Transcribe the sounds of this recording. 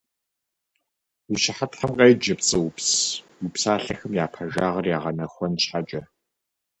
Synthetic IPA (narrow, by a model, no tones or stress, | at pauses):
wuʃɪħatħɐmqʼejd͡ʒɐpt͡sʼɨwʊps | wupsaːɬɐxɨmjaːpʰɐʒaːʁɐrjaːʁɐnɐxʷɔnɕħat͡ʃʼɐ